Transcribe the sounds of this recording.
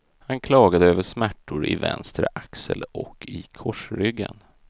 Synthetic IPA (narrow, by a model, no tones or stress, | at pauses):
hankʰlɑːɡad̪əøːvəʂmæʈːʊɾɪvɛ̰nst̪ɾəʔaksəlɔkʰːɪkʰɔʂɾʏɡːən